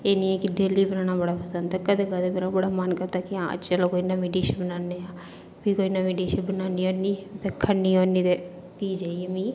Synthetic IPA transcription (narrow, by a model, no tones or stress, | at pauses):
eːniːɛːkɪɖeːliːbənaːɽaːbəɽaːpʰəsənt̪akəd̪eːkəd̪eːmeːɾabəɽaːmənkəɾd̪aːkɪãːə̰t͡ʃəloːkoːinaːmeɖiːʃənbənaːneaː | piːkoːinaːmeːɖiːʃəbənaːniːɦoːniːt̪ekʰənːiːoːniːt̪eː | piːd͡ʒaːiɛmĩː